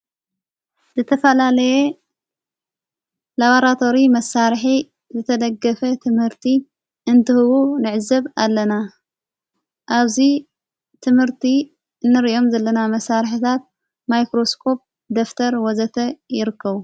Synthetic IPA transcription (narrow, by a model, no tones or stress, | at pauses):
zɨt̪ʰɐfɐlalɐje | laβoɾat̪ʰo̞ɾimɐsːaɾħi | zɨt̪ʰɐd̪ɐɡːɐfɐt̪ʰɨmhɨɾt̪ʰi | ɨnt̪ʰɨhɨβunɨʕɨzːɐβalːɐna | ʔaβzi | t̪ʰɨmhɨɾt̪ʰi | ɨnːɨɾiʔo̞mzɐlːɐnamɐsaɾħit̪ʰat̪̚ | majkɾo̞skʰo̞p̚ | d̪oft̪ʰɐɾwɔzɐt̪ʰɐjɪɾɨkʰːɐβu